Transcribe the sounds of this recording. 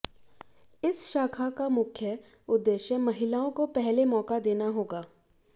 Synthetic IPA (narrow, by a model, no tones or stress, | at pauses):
ɪsʃaːkʰakamʊkʰjə | ʊd̪ːeːʃjəmɐɦɪlaːõkopɛɦlemɔːkad̪eːnaɦoːɡaː